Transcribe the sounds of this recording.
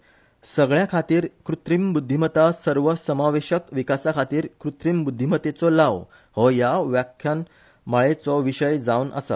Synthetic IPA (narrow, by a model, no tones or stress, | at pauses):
səɡɭjãkʰat̪iːɾkɾut̪ɾimbud̪ʱːimət̪asəɾʋəsəmaʋeɕəkʋikasakʰat̪iːɾkɾut̪ɾimbud̪ʱːimət̪et͡sɔlaʋ | hɔjaʋjakʰjan | maɭet͡sɔʋiɕəjd͡zaunə̰sa̰